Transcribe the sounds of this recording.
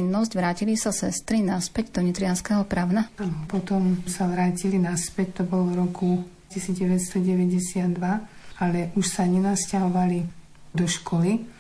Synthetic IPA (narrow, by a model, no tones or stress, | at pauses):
inːɔscʋɾaːcilisasɛst̪ɾinaspɛɟd̪ɔɲit̪ɾɪanskɛɦɔpɾaʊnaapɔt̪ɔmsaʋɾaːcilinaspɛct̪ɔbɔlɔvɾɔku | cisiːd͡zɟɛʋɛt̪st̪ɔɟɛʋɛɟɛsɪad̪ːʋaalɛʔuʃsaɲɛnascaɦɔʋali | d̪ɔʃkʰɔli